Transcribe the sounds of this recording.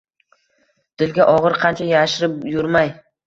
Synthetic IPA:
d̪̥ɪlɡʲaʔɒʁɨɾqʰɑnt͡ʃʰajaʃɪɾɪpjʊɾmaj

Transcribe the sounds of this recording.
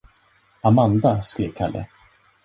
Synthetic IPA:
amand̪askɾiːvkʰalːʔə̰

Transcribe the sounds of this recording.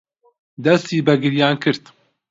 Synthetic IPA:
d̪ɛst̪iːbɛɡɨɾjaːnkʰɨɾt̪

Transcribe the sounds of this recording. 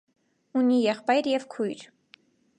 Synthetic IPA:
unijɛχpɑjɾjɛvkʰujɾ

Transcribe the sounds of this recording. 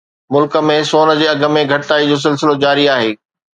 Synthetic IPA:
mʊlkə̆mẽsoːnə̆d͡ʑeːɐɡʱə̆mẽɡʱɐʈtaːid͡ʑoːs̬ɪlsɪlod͡ʑaːɾiaːɦeː

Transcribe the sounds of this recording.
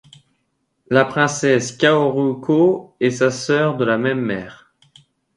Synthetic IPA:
lapχɛ̃sɛskʲaoʁykʰoɛsasœʁd̪əlamɛmːɛːʁ

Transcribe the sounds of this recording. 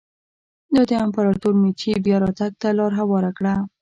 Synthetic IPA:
d̪ɑd̪əampaɾɑʈoɾmet͡ʃebjɑɾɑt̪aɡ̚t̪alɑɾɦawɑɾakɽa

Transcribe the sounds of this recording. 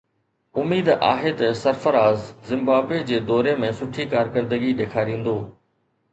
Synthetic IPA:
ʊmiːd̪a̰ːɦet̪ɐsɐɾfəɾaːzzɪ̃mbaːbwed͡ʑeːd̪ɔːɾemẽsʊʈʰikaːɾkəɾd̪əɡiɗeːkʰaːɾĩːn̆d̪oː

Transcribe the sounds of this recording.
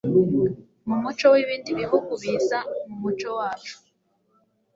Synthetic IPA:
mumut͡ʃowiβiːndiβiɦuɡuβizamumut͡ʃowaːt͡ʃu̥

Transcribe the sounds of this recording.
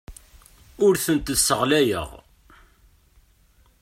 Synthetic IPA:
ʊɾθənt̪əsːəʁlæjə̰ʁ

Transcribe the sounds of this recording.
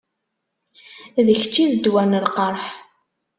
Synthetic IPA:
ðəçt͡ʃːiðəd̪wænəlqəɾˤħ

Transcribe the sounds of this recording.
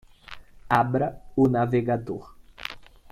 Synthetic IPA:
abɾɐʊnaveɡad̪o̰ɾ

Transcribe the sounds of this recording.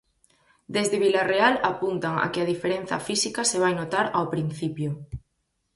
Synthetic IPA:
d̪ezðeβilarealapunt̪aŋa̰kɪaðifeɾen̟θɐ̰fisikaseβ̞ajnot̪aɾawpɾin̟θipjʊ

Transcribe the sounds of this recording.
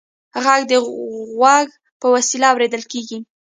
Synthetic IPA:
ɣaɡd̪əɣwaɡ | pəwasilaːwɾed̪əlkeɡi

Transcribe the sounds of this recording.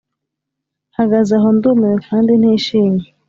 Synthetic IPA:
haɡazaɦondumekʰaːnden̥iːʃiːɲe

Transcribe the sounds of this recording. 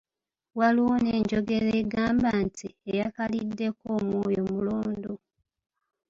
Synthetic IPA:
waliwoneːɲɟo̞ɡe̞ɾeːɡaːmbantʰiejakalidːe̞ko̞ːmwo̞ːjo̞muloːndo

